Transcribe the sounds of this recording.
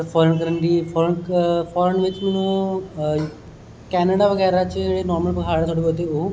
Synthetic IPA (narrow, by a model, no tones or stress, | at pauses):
fʰɔːɾənkəɾənɖiːpʰɔːɾpʰɔːɾənʋɪt͡ʃmɛːnũː | kɛːnəɽaʋəɡɛːɾat͡ʃeːɽeːnɔːɾməlpəkʰaːɽt̪ʰoːɽebɔt̪̬eoː